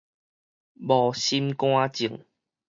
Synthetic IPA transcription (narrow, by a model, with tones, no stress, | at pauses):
bɔ˨˩ɕi˦mkw̃ã˦t͡ɕi˨˩əŋ